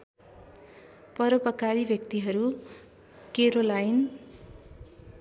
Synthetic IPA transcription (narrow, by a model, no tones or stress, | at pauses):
pʌɾʌpʌkaɾibʱʌkt̪iɦʌɾu | keɾolajn